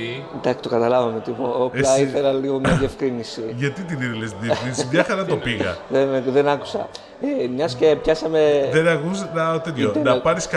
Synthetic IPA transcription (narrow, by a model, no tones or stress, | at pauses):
d̪ɐksi̥t̪okɐt̪ɐlɐvɐmet̪ipoopɐiθe̞lɐliɣomɲɐðie̞fkɾinisiʝɐt̪it̪iniðilesðiekɾinisiʝɐxɐɾɐnɐt̪opiɣɐ̰ðenðenɐku̥sɐ̰ | emɲɐsce̞pçɐsɐmeðenɐkuznɐot̪et̪çonɐpɐɾiskɐ